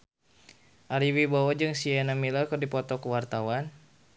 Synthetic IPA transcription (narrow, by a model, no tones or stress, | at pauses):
ʔaɾiwibawad͡ʒɨŋsiɛnamiləkɨrdipɔt̪ɔkuwart̪awan